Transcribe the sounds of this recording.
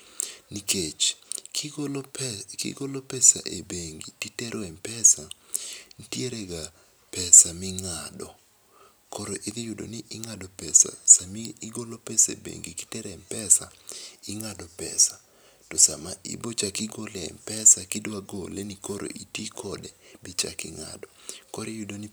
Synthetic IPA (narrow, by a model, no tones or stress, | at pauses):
niket͡ʃ | kḭɡolopɛsa̰ʔebeŋɡititɛɾʔoɛmpɛsantjeɾeɡa | pɛsamɪŋadɔ | koɾoʔɪd̪ɪjʊdo̰nɪʔɪŋadɔpɛsa̰samiːɡolopɛsaḛbḛŋɡiki̥tɛɾɛmpɛsaɪŋadɔpɛ̰sa | tɔsamaʔḭbot͡ʃakɪɡolɛɛ̰mpɛsakɪdwaɡolenikoɾo̰ʔitikʰɔdɛbɪt͡ʃa̰kɪ̰ŋa̰dɔkoɾijudoni